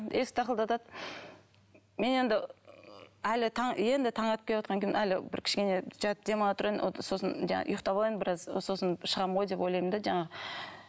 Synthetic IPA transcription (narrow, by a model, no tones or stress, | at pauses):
esɪ̥t̪ʰɑqəlˠd̪ɑt̪ɑd̪ | me̞ne̞nd̪ɪ | ælɪt̪ʰɑɴje̞nd̪ɪt̪ʰɑɴɑt̪əpkʲʰelewɑt̪qɑŋkʰʲeemḛnælɪbɪ̰ɾkʲʰɪ̥ʃkʲe̞ne̞ʒ̥ɑt̪əp̚d̪e̞mɑlˠɑt̪ʰʊɾɑo̰so̞sənʒɑ̰ɑ̰ʔʊ̰jʊqt̪ɑbɑlˠɑjmənbɪɾɑzso̞sənʃəʁɑmʁo̞jd̪e̞pojlˠɑjmənd̪ɑʒɑɴɑʁə